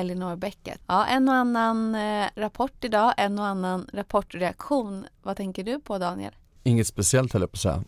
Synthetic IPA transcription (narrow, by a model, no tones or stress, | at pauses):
ɛljɪnɔːɾbɛkːə̰t̪ɑːʔɛnːanːanɾapʰɔʈːɪd̪ɑːʔɛnːoanːanɾapʰɔʈːɾɛakɧuːnvat̪ʰɛŋkəɖɵpʰɔd̪ɑːnɪ̰ɛ̰l | ɪŋːət̪spɛsɪɛlt̪hɛlːəɾpʰɔsɛ̰